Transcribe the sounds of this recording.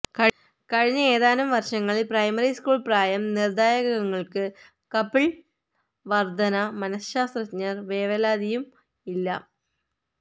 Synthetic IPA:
kɐ | kɐɻiɲːɐeːðaːnɐmʋɐrʂɐŋːɐɭilprɐjmɐriskuːɭpraːjɐmnird̪aːjɐɣɐɣɐŋːɐɭkɨ | kɐpːiɭ | ʋɐrd̪ɐnɐmɐnɐsɕaːst̪rɐɲɐrʋeːʋɐlaːd̪ijum | ilːɐ̰

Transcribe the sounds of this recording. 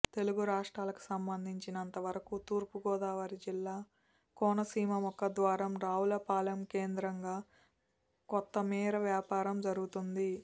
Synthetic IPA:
t̪e̞luɡuɾaːʂʈɾaːlɐku̥sɐmbɐnd̪ʱiɲt͡ʃinɐnt̪ɐʋɐɾɐkut̪uːɾpuɡɔːd̪aːʋɐɾid͡ʒilːaː | kɔːnɐsiːmɐmɔkːɐd̪ʋaːɾɐmɾaːulɐpaːlɐmke̞ːnd̪ɾɐŋɡaː | kɔt̪ːɐmiːɾɐʋjaːpaːɾɐmd͡ʒɐɾuɡut̪und̪i

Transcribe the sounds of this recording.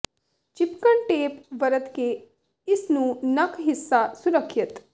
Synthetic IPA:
t͡ʃɪpkəɳʈeːpʋəɾət̪ke | ɪsnũːnɐkɦɪsːasuɾəkʰːjɐt̪

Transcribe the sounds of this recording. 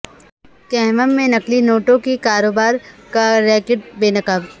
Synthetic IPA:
kɛɦməmːẽnɐklinoːʈõkikaːɾoːbaːɾkaɾɛːkɪʈ̚beːnɐkəb

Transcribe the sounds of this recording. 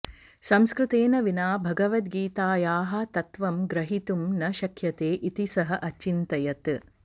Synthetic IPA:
sɐmskɾɨt̪eːnɐʋinaːbʱɐɡɐʋɐt̪̚ɡiːt̪aːjaːɦɐ̆t̪ɐt̪ʋɐmɡɾɐɦit̪umnɐʃɐkʰjɐt̪eːʔit̪isɐɦɐʔɐt͡ʃːint̪ɐjɐt̪

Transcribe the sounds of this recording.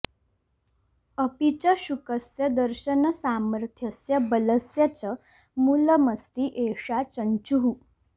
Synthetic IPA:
əpit͡ɕəɕukəsjəd̪əɾɕənəsaməɾt̪ʰjəsjəbələsjat͡ɕə | muləməst̪iʔeʂat͡ɕənt͡ɕuɦu

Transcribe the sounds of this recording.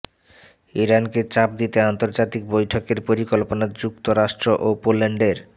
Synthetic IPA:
iɾanket͡ɕap̚d̪it̪eant̪oɾd͡ʑat̪ik̚bojʈʰokeɾpoɾikolponaɾd͡ʑukt̪oɾaʃʈɾoʔopolːeɳɖeɾ

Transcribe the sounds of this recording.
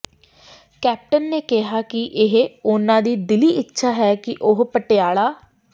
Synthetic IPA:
kɛːp̚ʈənːeːkɪɦaːkɪʔɪɦʊnãːd̪iːd̪ɪliːʔɪtːʃʰaːɦɛːkɪʔʊɦpəʈeaːɭaː

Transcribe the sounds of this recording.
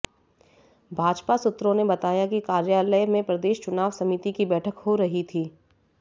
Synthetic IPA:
bʱaːd͡ʒpasʊt̪ːɾõnebɐt̪aːjakikaːɾjaːləjmẽpɾɐd̪eːʃt͡ʃʊnaːʋsɐmɪt̪ikibɛːʈʰəkhoɾɐɦit̪ʰiː

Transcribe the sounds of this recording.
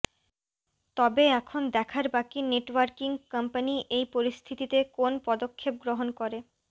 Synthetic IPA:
t̪ɔbeɛkʰond̪ɛkʰaɾbakineʈwaɾkiŋkampaniʔejpoɾist̪ʰit̪it̪ekonpɔd̪okʰːep̚ɡɾoɦonkoɾe

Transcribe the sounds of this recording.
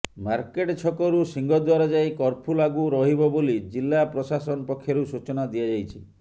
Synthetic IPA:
maɾkeʈt͡ʃʰɔkɔɾusiŋɡɔd̪waɾɔd͡ʒajkɔɾpʰulaɡuɾɔɦibɔbolid͡ʒilːapɾɔsasɔnɔpɔkʰjɔɾusut͡ʃɔnad̪ijad͡ʒajt͡ʃʰi

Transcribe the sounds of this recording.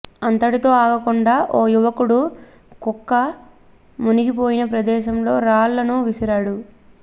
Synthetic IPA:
ɐnt̪ɐʈit̪o̞ːaːɡɐkuɳɖaːʔoːjuʋɐkuɽu | kukːɐ | muniɡipoːjinɐpɾɐd̪ɛːʃɐmlo̞ːɾaːlːɐnuʋisɐɾaːɽu

